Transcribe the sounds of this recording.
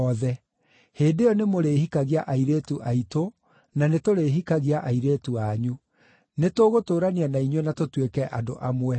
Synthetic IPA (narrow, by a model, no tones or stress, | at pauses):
ɔðɛ | heːdejɔnemoɾeːhikaɣiaʔaiɾeːtuʔaito | nanetoɾeːɦikaɣiaʔaiɾeːtuaɲu | netoɣotoːɾanianaiɲwɛnatotwekɛʔado̰ʔamwɛ